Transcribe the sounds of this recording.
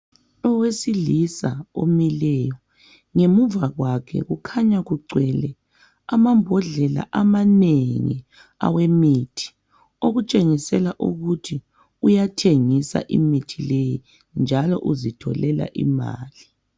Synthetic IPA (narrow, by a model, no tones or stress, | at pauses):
ɔwesilisao̰milɛjɔ | ŋemuvaɣwakʰɛ̰ɣukʰaɲaɣuǀɛlɛ | amambʱɔɮɛla̰ʔamaneŋḭ | a̰wemitʰi̥ | oɣut͡ʃʼeŋisɛlaʔuɣutʰi | ujatʰeŋisa̰ʔḭmitʰileji | nd͡ʒʱalɔ̰ʔuzitʰɔ̰lɛla̰ʔḭma̰ːli